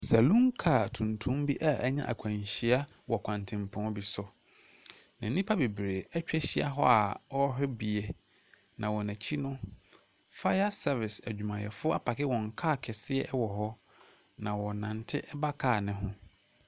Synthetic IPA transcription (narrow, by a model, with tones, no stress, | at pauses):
sɛ˨lũ˦ŋkʰa˦˨tʰũ˨ntʰũ˦mbi˦ʔa˦ʔɲã̰˦ʔa̰˨kʰæ̃˨ɲɕi˦a˦wɔ˨kʷʰã˨n˨tʰɪ̃˨m˨pʰʊ̃˦bi˨sɔ˨ | nã˨˦nĩ˦pʰa˦be˨bɾeː˨ɛ˦t͡ɕᶣɛ˦ɕi˦a̰˦ɦɔ˦a˨wɔ˦ɦɪ˦bi˨e˨ | nã˨wɔ˨næ̃˨t͡ɕʰi˦nʊ̃˦ | fa˦ja˦sɛ˦vɪ˨sæ̰˨d͡ʑᶣu˨mã˨jɛ̰˨fʊ˦ɔ˦a˦pʰa˨kʰɪ˦wɔ̃˨ŋ˨kʰaː˦˨kʰɛ˨sɪ˦ɛ˦ʔwɔ˨ɦɔ˦ | nã˨wɔ˨nã˨n˨tʰɪ˦ʔɛ˦ba˦kʰaː˦˨nɪ̃˦ɦʊ̃˦